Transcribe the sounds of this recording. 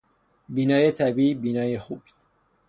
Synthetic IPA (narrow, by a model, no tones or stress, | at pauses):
biːnɒːjet̪ʰæbiːbiːnɒːjexuːb̥